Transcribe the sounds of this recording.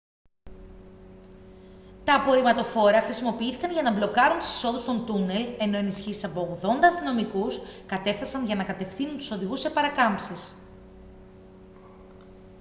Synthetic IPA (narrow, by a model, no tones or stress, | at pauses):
t̪ɐːpo̞ɾimɐt̪o̞fo̞ɾeɐxɾisimo̞piiθi̥kɐnʝɐnɐblo̞kɐɾunt̪u̥si̥so̞ðust̪o̞nt̪une̞le̞no̞e̞nisçisi̥sɐpo̞oɣðo̞nd̪ɐːst̪ino̞mikuskɐt̪e̞fθɐsɐnʝɐnɐkɐt̪e̞fθinunt̪u̥so̞ðiɣusːe̞pɐɾɐkɐmpsis